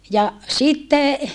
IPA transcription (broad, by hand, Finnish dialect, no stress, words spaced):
jɑ sitːe